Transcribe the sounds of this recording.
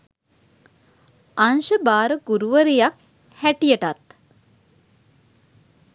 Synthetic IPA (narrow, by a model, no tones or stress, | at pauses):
anʃəbaːɾəɡuɾuʋəɾijak | hæʈijəʈat̪